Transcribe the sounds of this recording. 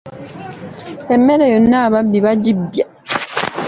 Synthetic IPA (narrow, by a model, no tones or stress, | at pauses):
emːeɾejonːaβabbiβaɟibja